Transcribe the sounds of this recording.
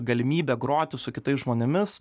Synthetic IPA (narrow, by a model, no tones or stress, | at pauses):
ɡɐlʲɪmʲiːbʲɛɡɾoːt̪ʲɪsʊkʲɪt̪ɐɪsʒmoːnʲɪmʲɪs